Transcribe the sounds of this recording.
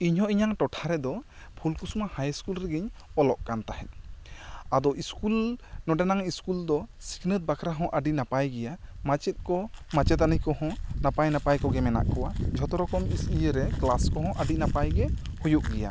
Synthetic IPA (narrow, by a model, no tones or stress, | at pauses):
iɲhɔ̃iɲaŋʈɔʈʰaɾɛd̪ɔpʰulkusumahajskulɾɛɡiɲɔlɔʔkant̪aɦɛt̪̚ | ad̪ɔʔiskulnɔɖɛnaŋiskuld̪ɔsi̥knət̪̚bakʰɾaɦɔ̃ʔəɖinapajɡɛjamat͡ʃɛt̪̚ˀkɔmat͡ʃɛt̪anijkɔhɔ̃napajnapajkɔɡɛmɛna̰ʔkɔwad͡ʒʱɔt̪ɔɾɔkɔmisijəɾɛklaskɔɦɔ̃ʔəɖinapajɡɛ | hujuʔ̚ɡɛja̰